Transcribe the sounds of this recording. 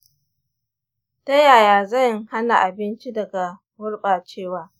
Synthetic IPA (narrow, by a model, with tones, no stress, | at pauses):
ta˦jaː˨jaː˨zɐ˦˨jŋha˦na˨ʔa˨bɪ˦nt͡ʃi˦dɐ˨ɡa˨ | wʊ˦ɽɓaː˨t͡ʃeː˦˨waː˦